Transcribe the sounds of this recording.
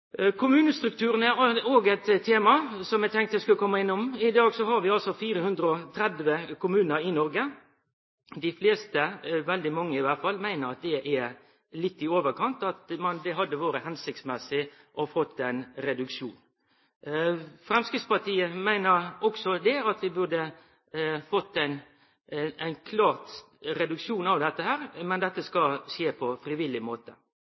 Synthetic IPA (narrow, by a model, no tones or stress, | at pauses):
kʰʊmʉːnəst̪ɾʉk̚t̪ʰʉːɾənəoːɡɛt̪ʰːeːmɑsɔmjɛæt̪ʰɛŋkt̪d̪ɛskʉlːəkʰɔmːɑɪnːʊmɪd̪ɑːɡsɔɦɑɾʋɪɑlsɔfiːɾəhʉnd̪ɾəɔt̪ʰɾɛd̪ʋəkʰʊmʉːnəɾɪnɔɾɡə | d̪ɪfleːst̪əʋɛld̪ɪmɑŋːəɪʋæt̪fɑlːmæɪnəɾɑt̪̚d̪ɛʔɛɾ | lɪt̪ːɪoːʋəɾkʰɑnt̪ɑt̪mɑnd̪ɛɦɑd̪ːəʋoːɾəhɛnsɪk̚t̪smɛsɪ | ʔɔfɔt̪ːæɪnɾɛd̪ʉkʂuːn | fɾɛmskɾɪt̪spɑt̪iːəmæɪnəɾɔksɔd̪ɛɑt̪ʋɪbʉʁd̪ə | fɔt̪ːæɪn | æɪnkʰlɑːʁt̪ | ɾɛd̪ʉkʃuːnɑʋd̪ɛt̪ːəhæːɾmɛnd̪ɛt̪ːəskɑʃeːpʰɔfɾɪʋɪlːɪmoːt̪ə